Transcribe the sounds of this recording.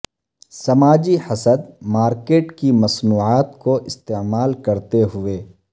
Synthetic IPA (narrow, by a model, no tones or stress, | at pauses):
sɐmaːd͡ʒiħɐsəd̪maːɾkeːʈkimɐsnuːʕaːt̪koʔɪst̪eːmaːlkɐɾt̪eɦʊeː